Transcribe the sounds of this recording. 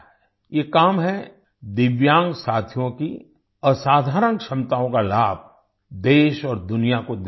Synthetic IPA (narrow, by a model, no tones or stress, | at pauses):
jekaːmɦɛ | d̪ɪʋjãːŋɡsaːt̪ʰijõki | əsaːd̪ʱaːɾənkʃɐmt̪aːõkalaːb̚ʱ | d̪eːʃɔːɾd̪ʊnijakod̪